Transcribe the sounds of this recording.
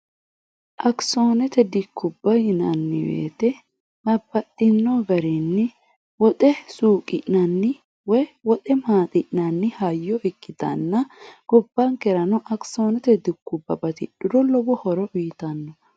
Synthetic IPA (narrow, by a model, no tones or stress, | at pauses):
ʔɐksoːnɛt̪ɛd̪ɪkːʊbːɐjɪnɐnːɪwḛːt̪ɛ | bɐbːɐt̪ːɪnːɔɡɐɾɛnːɪ | wɔt̪ʼɛsuːkʼɪʔnɐnːɪ | wɔjwɔt̪ɛmaːt̪ʼɪʔnɐnːɪhɐjːɔʔɛkʰːɪt̪ɐ̰nːɐɡ̥ɔbːɐŋkɛɾɐnɔʔɐkso̞ːnɛt̪ɛd̪ɪkːʊbːɐbɐt̪ɪ̰ᶑɪd̪ɔlɔbɔhɔɾɔʔiːt̪ɐnːɔ